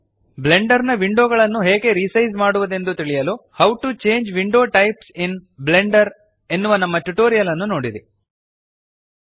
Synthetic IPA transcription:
ble̞ɳɖɐɾnɐʋiɳɖoːɡɐɭɐnːuɦeːɡe̞ɾisɐjd͡ʒmaːɽuʋɐd̪e̞nd̪ut̪iɭijɐluːhɐwʈut͡ʃe̞ːɲd͡ʒʋiɳɖo̞ːʈɐjpsinble̞ɳɖɐɾ | e̞nːuʋɐnɐmːɐʈuʈoːɾijɐlɐnːuno̞ːɽid̪i

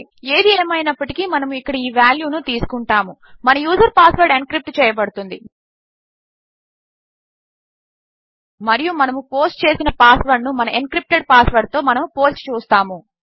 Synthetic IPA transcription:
eːd̪ieːmɐjinɐpːɐʈikimɐnɐmuikːɐɽɐiːʋjaːljuːnut̪iːsu̥kuɳʈaːmumɐnɐjuːzɐɾpaːsʋɐɾɖenkɾip̚ʈt͡ʃɛːjɐp̬ɐɽut̪und̪i | mɐɾijumɐnɐmupo̞ːsʈt͡ʃe̞ːsinɐpaːsʋɐɾɖnumɐnɐʔenkɾip̚ʈeɖ̚paːsʋɐɾɖ̚t̪o̞ːmɐnɐmupo̞ːsʈt͡ʃuːst̪aːmu

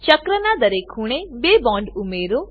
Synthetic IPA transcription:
t͡ʃəkɾənad̪əɾekʰuɽ̃ebebɔɳɖumeɾo

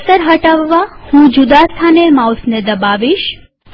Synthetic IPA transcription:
səɾɦəʈaʋːahũd͡ʒud̪ast̪ʰanemawsned̪əbaʋiʃ

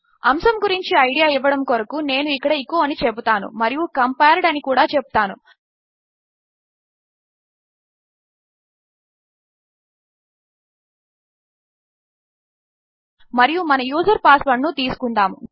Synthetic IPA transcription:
ɐmsɐmɡuɾiɲt͡ʃiɐjɖijaːiʋːɐɽɐmkɔɾɐkune̞ːnuikːɐɽɐikoːɐnit͡ʃebut̪aːnṵmɐɾijukɐmpeːɾɖɐnikuːɽaːt͡ʃebut̪aːnṵ | mɐɾijumɐnɐjuːd͡ʒɐɾpaːslɐɳːut̪iːsu̥kuɳɖ̪aːmṵ

